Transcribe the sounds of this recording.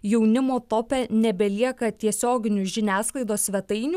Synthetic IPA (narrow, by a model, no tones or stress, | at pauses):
jɛʊnʲɪmoːt̪oːpʲɛnʲɛbʲɛlʲiɛkɐt̪ʲiɛsʲoːɡʲɪnʲʊʒʲɪnʲæːsklˠɐɪd̪oːsʲʋʲɛt̪ɐɪnʲu